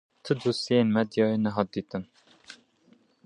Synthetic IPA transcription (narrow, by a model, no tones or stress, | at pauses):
t̪ʰɨd̪usijeːnmɛd̪jɑːjenɛɦɑt̪d̪iːt̪ɨm